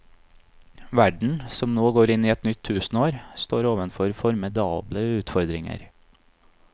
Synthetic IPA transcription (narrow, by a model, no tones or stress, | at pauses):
ʋæɖɳ̩sɔmnoːɡoːɾɪniːɛt̪nʏt̪ʰːʉːsn̩oːɾst̪oːɾoːʋənfɔɾfɔɾmɪd̪ɑːbləʉːt̪fɔɾd̪ɾɪŋə̰ɾ